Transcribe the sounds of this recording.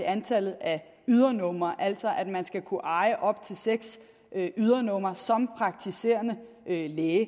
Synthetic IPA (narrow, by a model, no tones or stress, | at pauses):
eænt͡sʰælð̩ˠæ | yð̞ˠɐnɔ̽m̰ɐʔæl̰sɒ̽ʔæd̥mænsɡ̥ækʰuʔɑ̈ɪəʔɒ̽b̥̚t͡sʰe̝lseɡ̥s | ʔyð̞ˠɐnɔ̽m̰ɐsɒ̽mpʰʁɑ̈ɡ̥̚t͡sʰise̝̰ːɐnə | ʔøleːɪ